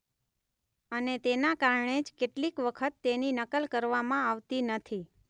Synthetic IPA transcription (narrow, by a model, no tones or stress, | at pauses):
ənet̪enakaɾɳed͡ʒkeʈlikʋəkʰət̪ːeninəkəlkəɾʋamãaʋt̪inət̪ʰi